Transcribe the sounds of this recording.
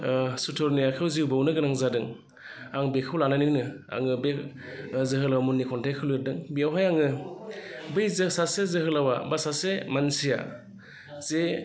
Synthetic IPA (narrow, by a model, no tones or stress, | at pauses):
sutʰɔɾnijakʰɯwziwbawnɯɡɯnaŋzadɯŋ | aŋbekʰɯwlananinnɯ | a̰ŋɯbe | zɯɦɯlawamunːikʰɔntʰajkʰɯwlɾdɯŋbiawɦajaŋɯ | bɯjzɯsasezɯɦɯlawabasasemansija̰ | z̥e